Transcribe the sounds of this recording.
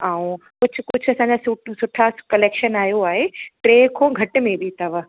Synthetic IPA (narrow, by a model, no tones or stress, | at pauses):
aːũ | kʊd͡ʑʱʊ̆kʊd͡ʑʱʊɐsãːɲd͡ʑasʊsʊʈʰakɐleːkʃənaːɦijoaːɦeʈɾeːkʰoːɡʱɐʈʊ̆mẽbʱit̪ɐʋə